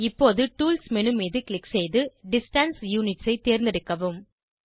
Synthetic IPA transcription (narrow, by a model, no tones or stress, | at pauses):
ɪpːoːðɯʈuːlsmɛnɯmiːðɯklɪksejðɯɖɪsʈɐnsjuːnɪʈsɐɪt̪eːɾnd̪ɪɽɯkːɐʋɯm